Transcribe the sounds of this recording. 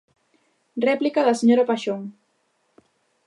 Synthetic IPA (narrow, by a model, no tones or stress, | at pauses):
rɛplikaðɐseɲoɾapaʃoŋ